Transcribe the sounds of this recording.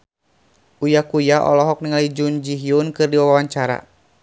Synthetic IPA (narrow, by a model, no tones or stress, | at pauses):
ʔujakujaʔɔ̰lɔɦɔk̚niŋalid͡ʒund͡ʒiɦiunkɨrdiwawawaɲt͡ʃaɾa̰